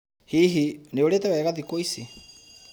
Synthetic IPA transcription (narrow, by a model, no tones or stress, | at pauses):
hiɦineoɾetɛwɛːɣaðikoisi